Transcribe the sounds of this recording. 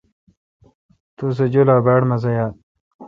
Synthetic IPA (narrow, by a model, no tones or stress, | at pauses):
t̪us̬ed͡ʑolaːbaːɽmɐzɐjaːt